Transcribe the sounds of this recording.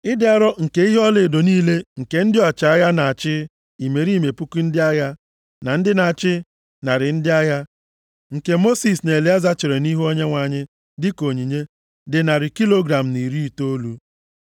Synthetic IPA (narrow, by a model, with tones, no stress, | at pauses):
ɪ˦dɪ˦a˦ɾɔ˦ŋ̩˨ke˦i˦ɦɔ˦le˨do˨niː˦le˦ŋ̩˨ke˨n̩˦dɪ˦ɔ˨t͡ʃa˨a˦ja˦na˨a˨t͡ʃɪ˦ | i˨me˨ɾi˦˨me˨pu˦ku˦n̩˦dɪ˦a˦ja˦ | na˨n̩˦dɪ˦na˨a˨t͡ʃɪ˦ | na˨ɾɪ˨n̩˦dɪ˦a˦ja˦ | ŋ̩˨ke˦mo˦si˨sne˨le˨˦a˦za˦t͡ʃɪ˨ɾe˨ni˦ɦu˦o˦ɲe˦ŋʷa˨ɲɪ˦ | dɪ˦ko˨ɲi˨ɲe˦ | dɪ˨na˨ɾɪ˨ki˦lo˦ɡɾa˨m̩˨ni˨ɾi˦i˨to˦lu˦